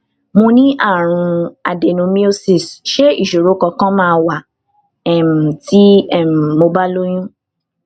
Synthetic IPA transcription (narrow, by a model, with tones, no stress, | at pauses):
mõ˧nĩ˦ʔa˦˨ɾ̃ũ˧a˨de˨nũ˨˧mĩ˦o˦si˦˨sʃe˦i˦˨ʃo˨ɾo˨˦kɔ˧kã˦mãː˦˧wa˨ | ɛ˦˨m˨ti˦ɛ˦˨m˨mo˧ba˦lo˦j̃ũ˦